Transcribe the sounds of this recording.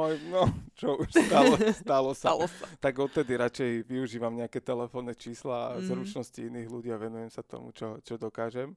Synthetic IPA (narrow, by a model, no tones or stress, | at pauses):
ɔjnɔt͡ʃɔuʃst̪aɔsalɔsalst̪aɡɔt̪̚t̪ːɛd̪iɾat͡ʃɛjʋiuʒiːʋamɲɛakɛt̪ɛlɛfɔːnːɛt͡ʃiːslaːzɾut͡ʃnɔsciiniːɣluɟiːaʋɛnujɛmsat̪ɔ̰mṵt͡ʃɔt͡ʃɔd̪ɔkaːʒɛm